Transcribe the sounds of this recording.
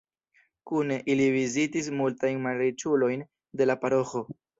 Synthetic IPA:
kuneʔilivizitis̬multajnmaɾet͡ʃulo̞jn | de̞lapaɾo̞xo̞

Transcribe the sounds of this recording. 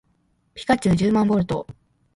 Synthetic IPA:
pʲi̥kat͡ɕɨːd͡ʑɨːmãmbo̞ɾɯ̟t̪o̞̰

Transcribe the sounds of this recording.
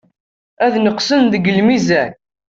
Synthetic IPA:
æðnəqsənðəɡəlmizæɾ

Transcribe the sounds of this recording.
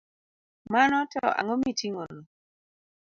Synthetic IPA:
manɔtɔ̰ʔa̰ŋɔmitiŋono

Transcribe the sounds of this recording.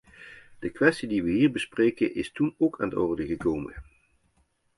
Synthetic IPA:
d̥əkʋɛstidiʋəɦiːɹbəsprejkənʔɪstunokaːnətɔ̰ɹdəɣəkowmə̰n

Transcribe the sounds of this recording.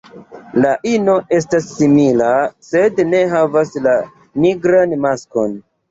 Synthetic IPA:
laʔino̞ʔe̞s̬tasːimilase̞dne̞ɦavasla | niɡɾanmasko̞n

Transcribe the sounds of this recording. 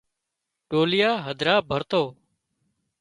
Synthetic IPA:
ʈoːlɪjaːɦəd̪ʱɾaːbʱəɾt̪oː

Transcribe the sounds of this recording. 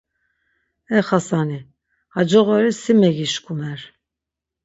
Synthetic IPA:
ɛχasani | had͡ʒɔɣɔɾisimɛɡiʃkʰʼumɛɾ

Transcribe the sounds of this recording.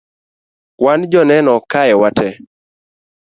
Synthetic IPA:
wand͡ʒɔnɛnɔkajɛwatʰɛ

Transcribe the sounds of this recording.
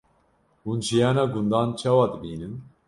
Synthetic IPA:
unʒijanaɡund̪ant͡ʃʰawad̪binɨn

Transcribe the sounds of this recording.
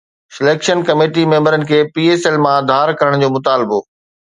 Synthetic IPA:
sɪleːkʃənkɐmeːʈimẽːmbəɾənɪ̆kʰeːpiːeːselmãd̪ʱaːɾkɐɾəɽ̃d͡ʑoːmʊt̪aːlɪbo

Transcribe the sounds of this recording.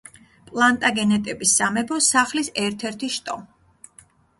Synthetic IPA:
pʼlˠant̪ʼaɡɛnɛt̪ʼɛbisːamɛbɾɔsaχlisɛɾt̪ʰɛɾt̪ʰiʃt̪ʼɔm

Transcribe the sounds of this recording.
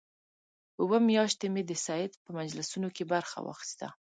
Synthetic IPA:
uwəmjɑʃt̪emed̪əsɑɪd̪pəmad͡ʒlasunokebaɾxa̰wɑ̰xi̥st̪a̰

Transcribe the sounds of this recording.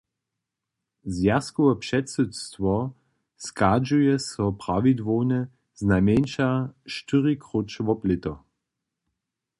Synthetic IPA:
zjaskɔɛpʃɛtsutst̪ʋɔ | skad͡ʒujɛsɔpʁaʋid̪voːnɛ | znamenʃaʃtɨʁikʁut͡ʃʋɔplɪt̪ɔ

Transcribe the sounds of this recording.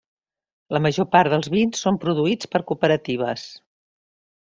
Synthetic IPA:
ləməʒopaɾðəlˠzβinsːompɾuðuit͡spəɾkupəɾət̪iβ̞əs

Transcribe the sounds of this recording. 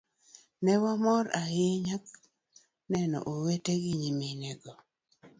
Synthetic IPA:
nɛwamɔɾajɪɲak̚ | nɛnɔ̰ʔoweteɡɪɲiminɛɡɔ

